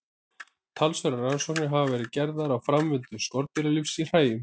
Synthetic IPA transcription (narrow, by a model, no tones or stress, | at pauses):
t̪ʰalsvœɾaɾransɔknɪɦavavɛːɾɪðcɛɾðaɾawfɾamvɪnt̪ʏskɔɾt̪̚vilalifsir̥aːjʏm